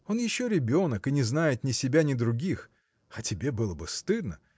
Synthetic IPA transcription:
o̞njɪɕːoɾʲɪbʲo̞nəkɨnʲɪznajɪt̪nʲɪsʲɪbʲanʲɪd̪ɾʊɡʲix | ɐtʲɪbʲe̞bɨlˠəbɨst̪ɨd̪nə

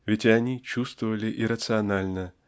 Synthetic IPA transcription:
vʲɪtʲanʲit͡ɕust̪vəvəlʲɪʔɪɾət̪sɨɐnalʲnə

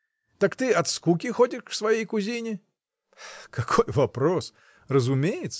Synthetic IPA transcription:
t̪akt̪ɨɐt̪skukʲɪxodʲɪʂfsvɐjejkʊzʲinʲɪ | kɐkʰojvɐpɾos | rəzʊmʲejɪt̪sə

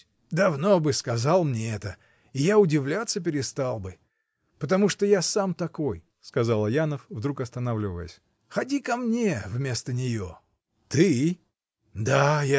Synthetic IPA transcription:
d̪ɐvno̞bɨskɐzɑlˠmnʲeɛt̪ə | ɪjaʊdʲɪvlʲat̪sːəpʲɪɾʲɪst̪alˠbɨ | pət̪ɐmuʂt̪ojasamt̪ɐko̞j | skɐzalˠəjanəfvd̪ɾukɐst̪ɐnavlʲɪvə̰jə̰sʲ | xɐdʲikɐmnʲe̞vmʲe̞st̪ənʲɪjo | t̪ɨ | d̪aja

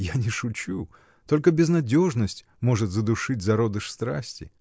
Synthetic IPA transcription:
janʲɪʂʊt͡ɕu | t̪o̞lʲkəbʲɪznɐdʲo̞ʐnəsʲtʲ | mo̞ʐɨt̪zəd̪ʊʂɨt̚ʲzɐɾo̞d̪ɨʂst̪ɾasʲtʲɪ

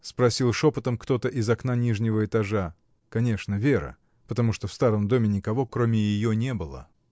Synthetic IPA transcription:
spɾɐsʲilˠʂo̞pət̪əmkt̪o̞t̪əʔɪzɐknanʲiʐnʲɪvəɪt̪ɐʐa | kɐnʲe̞ʂnəvʲeɾə̰ | pət̪ɐmuʂt̪ofst̪aɾəmd̪o̞mʲɪnʲɪkɐvo̞kɾomʲɪjɪjonʲe̞bɨlˠə̰

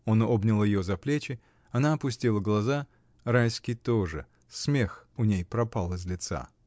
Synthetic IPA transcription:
o̞no̞bnʲɪlˠjɪjozɐplʲet͡ɕɪ | ɐnaɐpʊsʲtʲilˠəɡlˠɐza | ɾajskʲɪjt̪oʐɨ̰ | smʲexʊnʲejpɾɐpalˠɨzʲlʲɪt̪sa̰

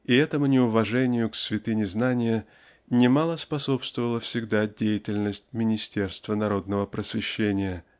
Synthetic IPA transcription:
ɪɛt̪əmʊnʲɪʊvɐʐɛnʲɪjʊksvʲɪt̪ɨnʲɪznanʲɪjə | nʲɪmalˠəspɐso̞pst̪vəvəlˠəfsʲɪɡd̪adʲejɪtʲɪlʲnəsʲtʲmʲɪnʲɪsʲtʲe̞rst̪vənɐɾo̞d̪nəvəpɾəsvʲɪɕːenʲɪjə

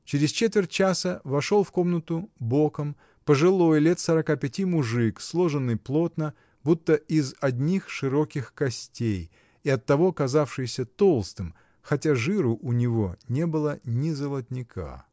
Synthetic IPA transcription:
t͡ɕɪɾʲɪst͡ɕet̪vʲɪrʲt̚ʲt͡ɕasəvɐʂo̞lˠfko̞mnət̪ʊbo̞kəm | pəʐɨlˠo̞jlʲet̪səɾɐkapʲɪtʲimʊʐɨkslˠoʐɨnːɨjplˠo̞t̪nə | but̪ːəɪzɐdʲnʲixʂɨɾo̞kʲɪxkɐsʲtʲej | ɪɐt̪ːɐvo̞ɐkɐzafʂɨjɪsʲət̪olˠst̪ɨm | xɐtʲaʐɨɾʊʔʊnʲɪvo̞̰nʲe̞bɨlˠənʲɪzəlˠɐt̪ʲnʲɪkʰa̰

